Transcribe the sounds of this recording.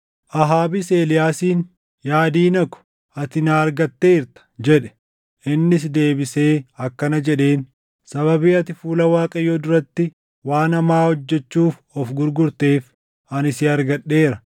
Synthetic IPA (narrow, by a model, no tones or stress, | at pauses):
ʔɐɦaːbise̞ːlɪjaːsiːn | jaːd̪iːnɐkʊ̥ | ɐt̪ɪnaːɐɾɡɐt̪ːe̞ːɪɾt̪ɐ̥d͡ʒɛᶑɛ̥ | ɪnːɪs̬d̪eːbɪse̞ːɐkːɐnɐd͡ʒɛᶑe̞ːn | sɐβɐbiːɐt̪ɪfuːlɐwaːkʼɐjod̪ʊɾɐt̪ːɪ | waːnɐmaːhɔd͡ʒːɛt͡ʃːuːfɔfɡʊɾɡʊɾt̪e̞ːf | ɐnɪsɪɐɾɡɐɗːe̞ːɾɐ